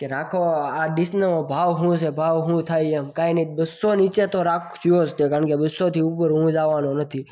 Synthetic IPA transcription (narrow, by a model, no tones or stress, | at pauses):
keɾakʰoaɖɪsnəõbʱaʋɦũsebʱaːʋɦũt̪ʰaiemkainəibəsːonit͡ʃet̪oɾakʰt͡ʃʰiost̪ekaɾəɳkebəsot̪ʰiupəɾɦũd͡ʒaʋanonət̪ʰi